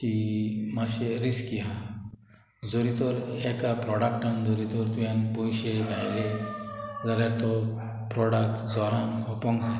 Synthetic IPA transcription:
kimaɕeɾiskiɦa | d͡zoɾit̪ɔɾekapɾɔɽak̚ʈənd͡zɔɾit̪ɔɾt̪ujãnpɔjɕed̪ʱajle | d͡zaljaɾt̪ɔ | pɾɔɽak̚ʈd͡zɔɾãŋkʰɔpɔ̃ŋɡsa

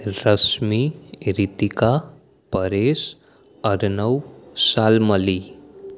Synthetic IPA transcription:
ɾʌsmiɾit̪ika | pʌɾes | ʌɾnʌwsalmʌli

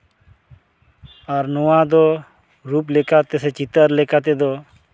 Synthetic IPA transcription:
aɾnɔwad̪ɔ | ɾup̬lɛkat̪ɛsɛt͡ʃit̪əɾlɛkat̪ɛd̪ɔ

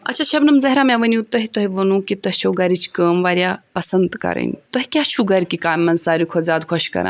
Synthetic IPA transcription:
ɐ̰tːt͡ʃʰaʃɐbnɐmzɐɦɾamjãʋənit̪ɐɦit̪ɔɦiʋɐnũːkit̪ɐɦt͡ʃʰoɡɐɾit͡ʃʰkəːmʋaːɾjapɐsɐnd̪kɐ̰ɾə̰nʲt̪ɐɦikʲaɦt͡ʃʰuɡɐɾʲkikaːmːɐnsaːɾukʰɔzaːd̪kʰɔʃkɐ̰ɾã̰

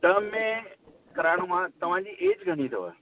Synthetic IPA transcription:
ʈəːmːẽ | kɐɾaːɽ̃omãt̪ɐʋ̤ãːd͡ʑiːʔeːd͡ʑɡʱəɽ̃it̪ʰo̰ə̰

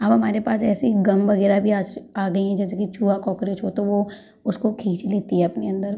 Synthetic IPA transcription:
aːpɦɐmaːɾepaːsɛːsiɡɐmʋɐɡɛːɾabʱiaːd͡ʒaːɡɐiɦɛ̃d͡ʒɛːsekit͡ʃuːakɔːkɾeːt͡ʃɦot̪oʋo | ʊskokʰiːt͡ʃleːt̪iɦɛ̃ɐpneɐ̃nd̪əɾ

